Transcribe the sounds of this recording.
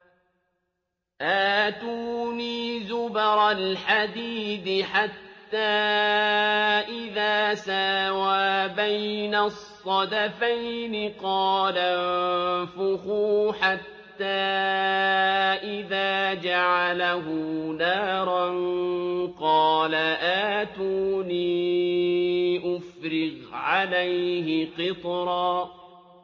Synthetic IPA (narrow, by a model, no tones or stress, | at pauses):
ʔaːt̪uːniːzʊbɑɾˤalħad̪iːd̪ɪħat̪ːaː | ʔɪðaːsaːwaːbajnasˤːɑd̪afajnɪqɑːlanfʊxuːħat̪ːaː | ʔɪðaːd͡ʒaʕalaɦʊnaːɾˤɑn | qɑːlaʔaːt̪uːniː | ʔʊfɾɪɣʕalajɦɪqɪt̪ˤɾˤɑː